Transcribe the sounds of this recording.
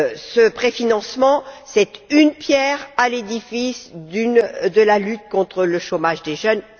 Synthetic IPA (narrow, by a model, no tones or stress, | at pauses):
səpχefinɑ̃smɑ̃sɛt̪ynpjɛʁaled̪ifisd̪ynd̪əlalyt̪̚kɔ̃t̪χələʃomaʒd̪eʒœn